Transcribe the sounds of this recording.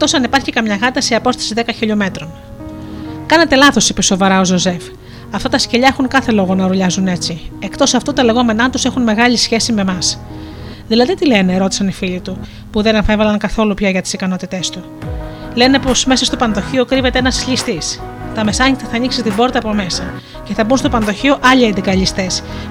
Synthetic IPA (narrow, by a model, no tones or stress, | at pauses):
ek̚t̪o̞sɐnipɐɾçikɐmɲɐɣɐt̪ɐsiɐpo̞st̪ɐ̥siðe̞kɐçiʎo̞me̞t̪ɾo̞n | kɐne̞t̪e̞lɐθo̞sipiso̞vɐɾɐo̞zo̞ze̞f | ɐft̪ɐt̪ɐsceʎɐe̞xuŋkɐθe̞lo̞ɣo̞nɐɾuʎɐzune̞t͡sie̞kt̪o̞sɐft̪ot̪ɐle̞ɣo̞me̞nɐt̪use̞xunme̞ɣɐʎisçe̞sime̞mɐs | ðilɐðit̪ile̞ne̞ɾo̞t̪i̥sɐnifiʎit̪u | puðe̞nɐnfevɐlɐŋkɐθo̞lupçɐʝɐt̪i̥sikɐno̞t̪it̪e̞st̪u | le̞ne̞po̞sme̞sɐst̪o̞pɐnðo̞çio̞kɾive̞t̪eenɐsʎist̪is | t̪ɐme̞sɐɲit̪ɐθɐːniksist̪ibo̞ɾt̪ɐːpo̞me̞sɐ | ce̞θɐbunst̪o̞pɐnðo̞çio̞ʔɐʎiɐnd̪ikɐʎist̪e̞s